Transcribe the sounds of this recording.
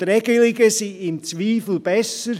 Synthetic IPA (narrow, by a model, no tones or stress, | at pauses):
ɾɛɡəlɪɡəsiɪmt͡sʋiːfl̩b̥ɛsəɾ